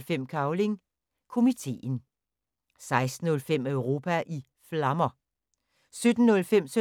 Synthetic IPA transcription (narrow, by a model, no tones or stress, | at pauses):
lfem̰kʰɑ̈ʊle̝ŋ | kʰo̝mit͡sʰe̝̰ːn̩ | sɑ̈ɪsd̥n̩ɔ̽lfem̰œʊʁo̝ːpʰæʔi | flɑ̈mɐ | sød̥n̩nːɔ̽lfem̰sø